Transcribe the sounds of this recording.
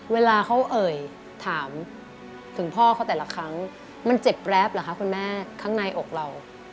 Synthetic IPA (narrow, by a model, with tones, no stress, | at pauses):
weː˧laː˧kʰa˦˥wʔɤː˨˩j | t̪ʰaː˩˦m | t̪ʰɯ˩˦ŋpʰɔː˥˩kʰa˦˥˩wt̪ɛː˨˩la˧˦kʰɾa˦˥ŋ | ma˧nt͡ɕe˨˩p̚ːɾɛ˦˥p̚laː˨˩kʰa˦˥kʰu˧nmɛː˥˩kʰaː˦˥ŋna˧jʔo˨˩k̚la˧w